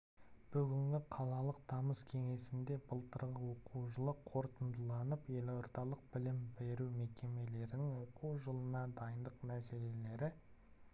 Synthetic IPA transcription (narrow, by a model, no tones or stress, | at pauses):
b̥ʏɡʲɪŋɡʲɪqʰɑlˠɑlˠəq̚d̪ɑməskʲʰe̞ŋe̞sɪnd̪e̞bəlˠt̪əɾʁəwo̞quwʒəlˠəqʰo̞ɾt̪ənd̪əlˠɑnəpje̞loɾt̪ɑlˠəq̚bɪlɪmbe̞ɾume̞kʲe̞me̞le̞ɾɪnɪŋwo̞quwʒəlˠənɑd̪ɑjənd̪əqmæse̞le̞le̞ɾɪ